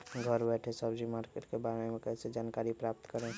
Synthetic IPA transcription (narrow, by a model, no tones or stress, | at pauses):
ɡʱəɾbɛːʈʰesəbd͡ʒimaːɾkeʈkebaːɾemẽkɛːsed͡ʒaːnkaːɾipɾaːp̚t̪kəɾẽː